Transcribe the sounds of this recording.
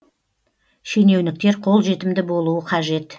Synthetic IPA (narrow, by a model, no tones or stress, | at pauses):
ʃene̞wnɪk̚t̪e̞ɾqʰo̞lˠʒe̞t̪ɪmd̪ɪbo̞lˠuəqʰɑʒe̞t̪